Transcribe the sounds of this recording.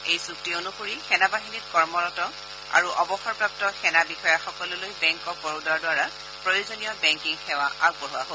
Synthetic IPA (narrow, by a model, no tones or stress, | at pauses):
ejsuk̚tionuxoɹixɛnabaɦinitkɔɹmɔɹɔtɔ | a̰ɹuʔɔbɔxɔɹpɹap̚tɔxɛnabixɔjaxɔkɔlɔlojbɛŋkɔk̚bɔɹudaɹdwaɹa | pɹojozonijɔbɛŋkiŋxɛwaʔak̚bɔɦaɦo